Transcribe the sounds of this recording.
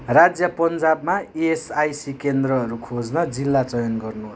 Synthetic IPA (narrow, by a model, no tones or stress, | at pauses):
rad͡zjʌpʌnd͡zabmaeesajsikend̪rʌːɾukʰod͡znʌd͡zilːat͡sʌjʌnɡʌrnuɦ